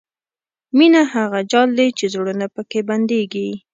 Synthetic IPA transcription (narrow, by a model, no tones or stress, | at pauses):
minaɦaɣad͡ʒɑld̪et͡ʃezɽunapəkeband̪eɡi